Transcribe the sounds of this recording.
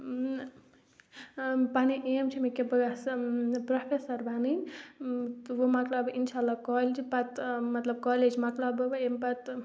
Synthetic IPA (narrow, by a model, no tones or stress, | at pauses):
paniʔemt͡ʃʰimekebspɾopʰesəɾbanin | t̪ʋomaklabinʃalːakɔlt͡ʃʰipat̪mɐt̪ləb̚kɔled͡ʒmaklabobempat̪